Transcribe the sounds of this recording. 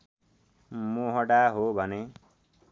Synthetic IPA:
moɦʌɽaɦobʱʌne

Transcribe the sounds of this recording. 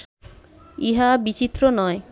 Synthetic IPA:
iɦabit͡ɕit̪ːɾonɔe

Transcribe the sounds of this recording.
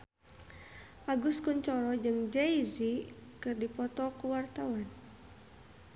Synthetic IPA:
ʔaɡuskuɲt͡ʃɔɾɔd͡ʒɨŋd͡ʒɛizikɨrdipɔt̪ɔkuwart̪awan

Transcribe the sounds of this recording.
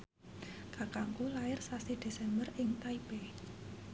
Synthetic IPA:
kakaŋkulaɪrsasid̪̥e̤sɛmbərɪŋt̪aibe

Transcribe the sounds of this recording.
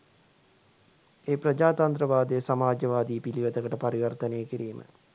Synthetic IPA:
eːprɐd͡ʒaːt̪ɐnt̪ɾəʋaːd̪əjəsamaːd͡ʒəʋaːd̪iːpiliʋəd̪əkəʈəpaɾiʋərt̪ənejəkiɾiːmʔə̰

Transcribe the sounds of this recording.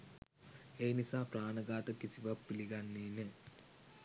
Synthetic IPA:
eːnisaːpɾaːnəɡaːt̪əkisiʋapːiliɡanːiːne

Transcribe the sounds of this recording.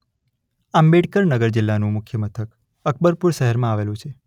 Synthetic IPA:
ambeɽkəɾnəɡəɾd͡ʒɪlːanũmʊkʰjəmət̪ʰək | ək̚bəɾpuɾʃəɦəɾmãaʋelũt͡ʃʰe

